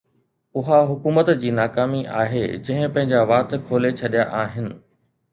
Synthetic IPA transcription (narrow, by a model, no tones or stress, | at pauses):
ʊɦaɦʊkuːmət̪d͡ʑiːnaːkaːmiʔa̰ːɦḛd͡ʑɐ̃ɦɪ̃pɐ̃ɦɪ̃ɲd͡ʑaʋaːt̪kʰoːlet͡ɕʰɐɗijaʔaːɦɪnɪ̆